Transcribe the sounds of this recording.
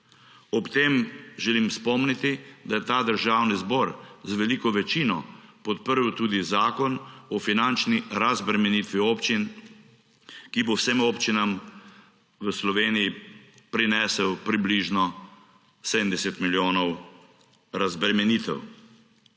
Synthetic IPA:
ɔpt̪emʒɛlimspɔmnit̪id̪ajɛt̪aːd̪əɾʒaːwnizbɔːɾzʋɛlikɔʋɛt͡ʃinɔpɔt̪̚pəɾwt̪uːd̪izaːkɔnɔfinant͡ʃniɾazbɾɛmɛnit̪ʋioːpt͡ʃin | kibowsemoːpt͡ʃinam | ʋəslɔʋeːnijipɾinɛːsəwpɾibliʒnɔ | sɛd̪ənd̪ɛsɛt̪miljoːnɔw | ɾazbɾɛmɛniːt̪ɛ̰w

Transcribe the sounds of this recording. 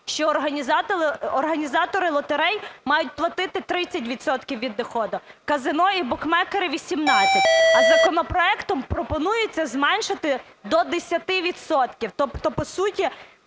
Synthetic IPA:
ʃt͡ʃɔːɦɐnʲzɑt̪ɔrɦɐnʲizɑt̪ɔɾɪlˠɔt̪eɾɛjmɑjʊt̚ʲplˠɐt̪ɪt̪ɪt̪ɾɪt͡sʲːɐt̬ʲʋʲid̪sɔt̪kʲiwʋʲid̪ːɔxɔd̪ʊkɐzɪnɔjibɔkmɛkɐɾɪʋʲisʲimnɑt͡sʲsʲɐtʲɐzɐkɔnɔpɾɔɛkt̪ɔmpɾɔpɔnujɪt͡sʲːɐzmɛnʃɪt̪ɪ | d̪ɔd̪esʲɐt̪ɪʋʲid̪sɔt̪kʲiwt̪ɔpt̪ɔpɔsutʲi

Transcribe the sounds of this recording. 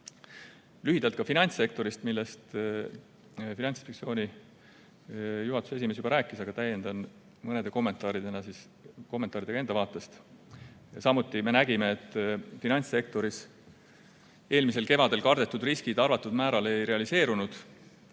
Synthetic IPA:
lyɦid̪ɑlt̪kɑfinɑnʲt̪se̞k̚t̪o̞ɾist̪milːe̞st̪ | finɑnʲsi̥pek̚sio̞ːnʲi | juɦɑt̪u̥see̞sime̞s̬jubɑɾæːkːˑisɑɡ̥ɑt̪æje̞nd̪ɑn | mɤned̪̥e̞ko̞mːe̞nt̪ˑɑːɾid̪̥enɑsis | ko̞mːent̪ːˑɑɾid̪̥eɑend̪ɑvɑːt̪ˑːe̞st̪ | sɑmut̪ːime̞næɡime̞et̪ːˑfinɑnʲt̪se̞k̚t̪o̞ɾis | e̞ːlmis̬e̞lke̞vɑd̪e̞lkɑrd̪e̞t̪ːˑud̪riskid̪̥ɑrvɑt̪ːˑud̪mæːɾɑle̞jɾe̞ɑlise̞ːɾunud̪̥

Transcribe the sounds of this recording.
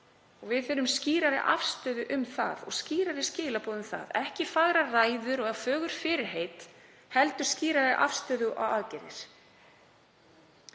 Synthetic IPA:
ɔɣvɪðθɪɾʏmsciːɾaɾɪ̰ʔa̰fst̪œːðʏʔʏmθa̰ðɔ̰ɣsciːɾaɾɪscɪːlapɔːðʏmθa̰ðɛhcɪfaɣɾaraːjðʏɾɔɣɛfœːɣʏɾ̥fɪɾɪɾ̥ɦeːjt̪ | hɛlt̪ʏ̥sciːɾaɾɪʔa̰fst̪œːðʏʔa̰waðcɛɾðɪɾ̥

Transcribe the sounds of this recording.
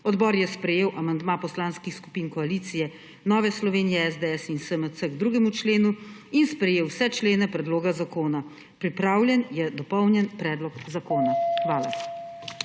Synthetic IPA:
ɔd̪bɔːɾjɛspɾɛjeːwʔamand̪mapɔslaːnskixsku̥piːnkɔaliːt̪sijɛ | nɔːʋɛslɔʋeːnijɛɛzd̪eɛsinsəmət̪əɡd̪ɾuːɡɛmut͡ʃleːnuinspɾɛjeːwsɛt͡ʃleːnɛpɾɛd̪loːɡazakoːna | pɾipɾaːwljɛnjɛd̪ɔpɔwnjɛnpɾɛːd̪lɔkzakoːnaxʋaːla

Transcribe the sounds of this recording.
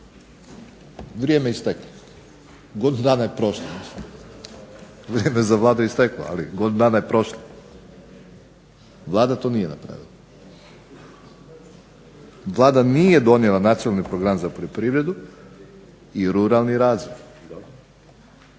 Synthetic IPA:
ʋɾjeːmeist̪eklo | ɡo̞d̪inud̪aːnajepɾo̞ʃlˠomisim | ʋɾʲjeːmezaʋlaːd̪uist̪eklo̰a̰liɡo̞d̪inud̪aːnajepɾo̞ʃlo | ʋlˠaːd̪at̪onijena̰pɾa̰ʋḭlˠa | ʋlˠaːd̪aniːje̞d̪o̞nielˠanat̪sionalnipɾoɡɾamzapoʎopɾiʋɾe̞d̪u | iɾuɾalˠniɾaːzʋoj | d̪o

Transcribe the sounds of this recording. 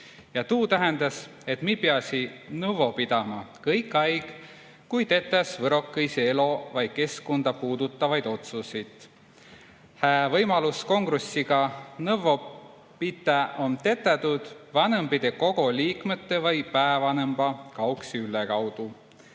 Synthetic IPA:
jɑt̪uːt̪æɦend̪ɑs | e̞t̪mipeɑsʲinɤvo̞pid̪̥ɑmɑkɤjkːˑɑjɡ̥ | kujt̪e̞t̪ːˑesvɤɾo̞kːˑejseelo̞vɑj̥̚ke̞skond̪̥ɑpuːd̪ut̪ˑːɑvɑjd̪̥o̞t̪susit̪ | hæːvɤjmɑlusko̞ŋɡ̥ɾusːiɡɑnɤvo̞ | pit̪ːˑeʔo̞mt̪e̞t̪ːˑet̪ud̪̥vɑnɤmbid̪̥e̞ko̞ɡ̥o̞liːkmet̪ːevɤjpæevɑnɤmb̥ɑkɑoksiylekɑwd̪̥u

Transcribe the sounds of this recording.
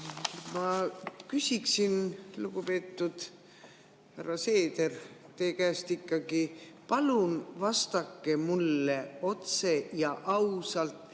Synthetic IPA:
mɑkysʲiksinluɡupe̞ːt̪ːud̪̥ | hærːɑse̞ːd̪e̞rt̪e̞ːkæːst̪ikːɑɡ̥i | pɑlunvɑst̪ɑkːe̞mulːeo̞t̪se̞jɑʔɑwsɑlt̪ˑ

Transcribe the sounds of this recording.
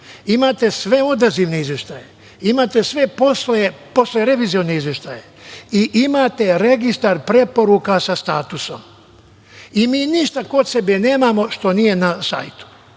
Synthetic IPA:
imaːt̪e̞sʋe̞o̞d̪aziʋneizʋjeʃt̪aːje | imaːt̪esʋe̞po̞sleepo̞sleɾe̞ʋiːzioneizʋjeʃt̪aːjeiʔimaːt̪e̞ɾeɡist̪aɾpɾe̞po̞ɾukasast̪aːt̪uso̞̰m | imiːniʃt̪ako̞t̪se̞bene̞ːmaːmo̞ʃt̪o̞nije̞nasa̰jt̪u̥

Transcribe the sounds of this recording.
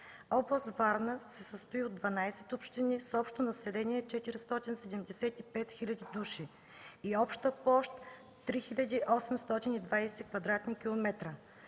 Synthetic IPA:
ɔblˠəst̪vaɾnəsɛsəst̪ʊiod̪vɐnajsɛ̥t̪opʃt̪inisɔpʃt̪onɐsɛlɛniɛt͡ʃɛt̪iɾist̪ɔt̪insɛd̪ɛmd̪ɛsɛt̪ipɛt̪xilʲɐd̪id̪uʃi | iɔpʃt̪əpɔʃt̪ː | ɾixilʲəd̪iʔɔsɛmst̪ɔt̪inid̪vajsɛkvɐd̪ɾat̪nikʲilˠomɛt̪ɾə

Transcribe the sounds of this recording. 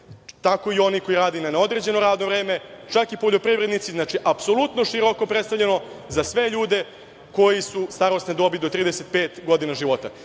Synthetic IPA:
t̪ako̞io̞niko̞iɾaːd̪inaneo̞d̪ɾe̞d͡ʑe̞no̞ɾaːd̪no̞vɾe̞ːme̞t͡ʃakipo̞ʎopɾivɾe̞d̪nit̪siznaːt͡ʃiʔapso̞lˠut̪no̞ʃiɾoko̞pɾet̪st̪alʎe̞no̞zasʋe̞ʎuːd̪e̞ | ko̞jisust̪aɾo̞st̪ned̪o̞bilid̪ot̪ɾiːd̪ese̞t̪̚peːt̪ɡo̞d̪inaʒiʋo̞t̪a̰

